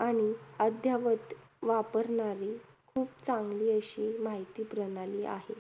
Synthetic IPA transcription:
aɽ̃iəd̪ʱjaʋət̪ʋapəɾɳaɾiːkʰuːpt͡sãŋɡliːəɕiːmaɦit̪iːpɾənaliːa̰ɦe

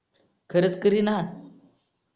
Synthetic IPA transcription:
kʰəɾət͡skəɾina

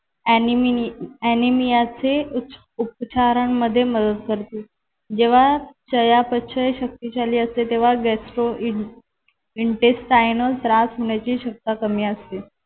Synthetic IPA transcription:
ænimijat͡se | up̚t͡ɕaɾaɳmːəd̪ʱːjeməd̪əd̪kəɾt̪e | d͡ʑeʋ̤at͡ɕəjapətːɕʰəjeɕək̚t̪iːt͡ɕaliːəst̪et̪eʋ̤aɡɛsʈɾoi | iɳʈesʈʈajnəsɾasɦoɳ̃jat͡ɕiːɕək̚t̪akəmiːəst̪e

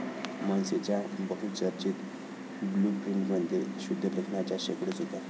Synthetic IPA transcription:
manset͡ɕjabəɦut͡səɾt͡ɕit̪ | blupɾiɳʈmənd̪iɾɕud̪ʱːələkʰɳat͡ɕjaɕekɽət͡sɦot̪ja

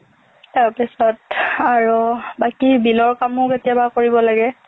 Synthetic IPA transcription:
taɹpɛsɔtaɹubakibilɔɹkamʊketijabakoɹibɔlaɡɛ

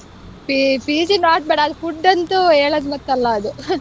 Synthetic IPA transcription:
pipiːd͡ʒinaːʈ̚beːɽɐːd̪upuɖːɐnt̪ueːɭɐd̪mɐt̪ːɐlːɐːd̪u

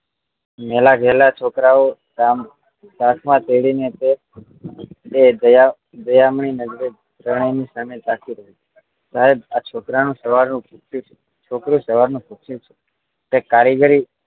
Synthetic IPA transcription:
mɛlaɡʱɛlat͡ʃʰokɾao | kam | dakʰmãt̪eɽinet̪e | eəja | d̪əjamɳinəd͡ʒɾe | ɾəɳ̃əjnisamet̪akʰiɾəɦie | d͡ʒaɦebat͡ʃʰokɾanũsəʋaɾnũpʰukʃjũt͡ʃʰe̥ | t͡ʃʰokɾũsəʋaɾnũpʰukʃjũt͡ʃʰe̥ | tekaɾiɡəɾi

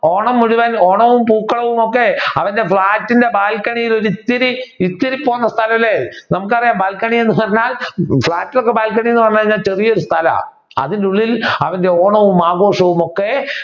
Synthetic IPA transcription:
oːɳɐmːuɽuʋano̞ːɳɐʋumpuːkːɐɭɐʋumo̞kːe̞ɐʋɐnde̞fɭaːtːinde̞baːlkɐɳijilo̞ɾuit̪ːiɾiit̪ːiɾipːo̞ːnːɐst̪ʰɐlɐmɐlːenɐmuk̬ːɨɐrijaːmbaːlkɐɳijenːɨpɐrɐɲːaːlfɭaːtːilokːe̞baːlkːɐɳijenːɨpɐrɐɲːaːɲːaːlt͡ɕe̞rijo̞ɾust̪ʰɐlɐ̰ | ɐ̰ðinduɭːilɐʋɐnde̞oːɳɐʋumaːɡo̞ːʂɐʋumo̞kːe̞

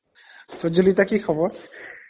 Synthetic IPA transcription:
t̪od͡ʑulitakikʰɔboɾ

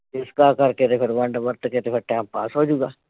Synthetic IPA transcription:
ɪskaːkɐɾket̪epʰɪɾʋɐ̃ɳɖʋəɾt̪ket̪epʰɪɾʈɛːmppaːsɦoːd͡ʒuːɡaː

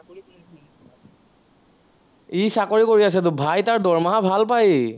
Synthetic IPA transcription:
isakoɹikoɹias̬ɛd̪̬ʊbʱajtaɹdɔɹmaɦabʱalpaj

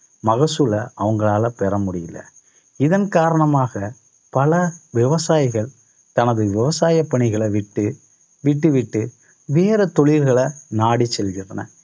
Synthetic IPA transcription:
mɐɣɐsɯlɐʔɐʋɐŋɡɐɭaːlɐpɛɾɐmʊɽɪjɪlːɐ̰ | ɪðɐnkaːɾɐɳɐmaːɣɐ | pɐlɐʋɪʋɐsaːjɪɣɐɭ | t̪ɐnɐðɯʋɪʋɐsaːjɐpːɐɳɪɣɐɭɐʋɪʈːɯ | ʋɪʈːɯʋɪʈːɯ | ʋeːɾɐt̪ɔɭɪɾɣɐɭɐnaːɽit͡ʃːɛlɣɪnrɐnɐ̰

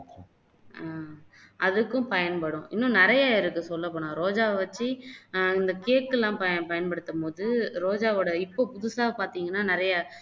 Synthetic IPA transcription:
aː | ɐðɯkːɯ̃pɐjɐnpɐɽʊ̃ʔɪnːʊ̃nɪɾɐjaːɪɾɯkːɯsɔlːɐp̬ːɐːɳãːɾoːd͡ʒaːʋɐt͡ʃːɯɪnd̪ɐkeːkːɯlːãːpɐɐpɐjɐnpɐɽɯt̪ːɐpoːðɯɾoːd͡ʒaːoːɽɐɪpːoːpʊðʊsaːɣɐpaːɾt̪iːŋɡɐnːaːnɪɾɐja

